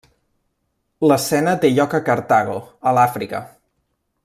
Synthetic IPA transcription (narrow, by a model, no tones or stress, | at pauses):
ləsɛnət̪eʎɔkəkəɾt̪aɣ̞oəlafɾikə̰